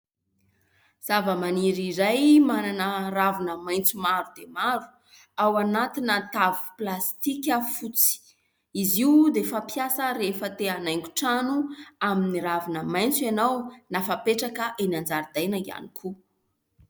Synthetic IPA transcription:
z̥avəmaniɾiɾajmananəravunəmajnt͡sumaɾud̪emaɾu̥ | awanat̪inət̪avu̥plast̪ikʲəfut͡si̥ | iziud̪efapjasəɾefət̪eanajŋku̥ʈ͡ʂanuaminiɾavunəmajnt͡sanawnafapeʈ͡ʂakəʔeniand͡zaɾid̪ajnəia̰nikʰu

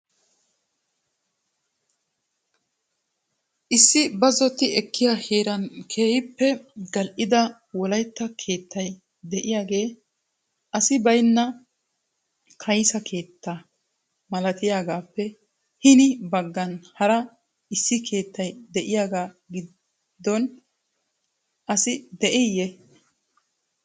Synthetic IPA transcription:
ʔɪsːɪbɐzɔt̪ːɪɛkːɪjaːheːɾɐnkʰe̞ːjɪpːɛɡɐlʔɪd̪ɐ | wɔlɐjt̪ːɐkʰe̞ːt̪ʰːɐj | d̪ɛʔɪjaːɡe̞ː | ʔɐsɪbɐjnːɐ | kʰɐjsɐkʰe̞ːt̪ːa | mɐlɐt̪ɪjaːɡaːpːɛ | hɪnɪbɐɡːɐnhɐɾɐ | ɪsːɪkʰe̞ːt̪ːɐjd̪ɛʔɪjaːɡaː | ɡɪ | d̪ːɔn | ʔɐsɪd̪ɛʔɛjːɛ

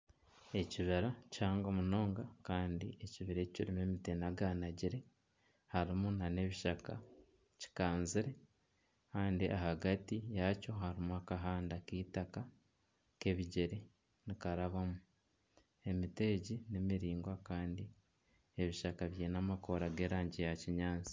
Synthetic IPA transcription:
e̞ciβiɾacaːŋɡomuno̞ːŋɡakaːndḭe̞ciβiɾeciciɾime̞mitenaɡanaɟiɾe̞ | haɾimunane̞βiʃaka | ci̥kaːnziɾe̞ | kaːndiʔahaɡatijaco̞ɦaɾimuakaɦaːndakiːtaka | ke̞βiɟeɾe | nikaɾaβamu | e̞miteːɟinemiɾiːŋɡwakaːndi | e̞βiʃakaβjeːnamako̞ɾaɡe̞ːɾaːɲɟijaciɲaːnt͡si̥

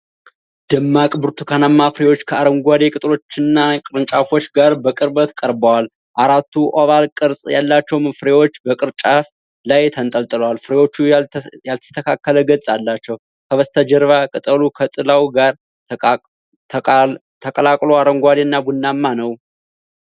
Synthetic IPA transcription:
d̪̥ɨmːakʼbɨɾt̪ʰukʰanamːafɨɾewo̞t͡ʃːkʰəaɾəŋɡʷad̪e̞kʼɨt̪ʼɨlo̞t͡ʃːɪnːakʼɨɾɨnt͡ʃʼafo̞t͡ʃːɡaɾbəkʼɨɾbət̪kʼəɾbəwal | ʔaɾat̪ːuʔaβalkʼɨɾsʼjalːat͡ʃːɛwmɨfɨɾe̞wo̞t͡ʃːbəkʼɨɾt͡ʃʼaf | lajt̪ʰənt̪ʼəlt̪ʼɨləwalfɨɾewo̞t͡ʃːujalt̪ʰə̥t̪ʰəkʰakːələɡəsʼalːat͡ʃːɛw | kʰəβəst̪ʰəd͡ʒəɾβakʼɨt̪ʼəlukʰət̪ʼɨlawɡaɾ | t̪ʰəkʼəlakʼlo̞aɾəŋɡʷad̪enːabunːamːanəw

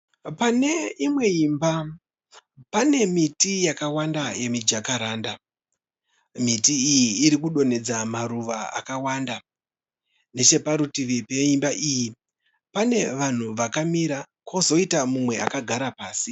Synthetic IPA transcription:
pane̞imwe̞iːmba | pane̞mitijakawandaje̞mid͡ʒakaɾaːnda | mitiːjiːɾikuɗo̞ne̞d͡zamaɾuʋaa̰kawaːnda | ne̞t͡ʃe̞paɾutiʋipeimbaʔiji | pane̞ʋan̤uʋakamiɾa | kʰo̞zo̞itamumwe̞a̰kaɡʱaɾapaːsi

